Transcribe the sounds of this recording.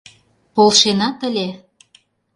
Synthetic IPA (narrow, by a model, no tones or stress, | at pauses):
polˠʃenɑt̪ə̆lʲe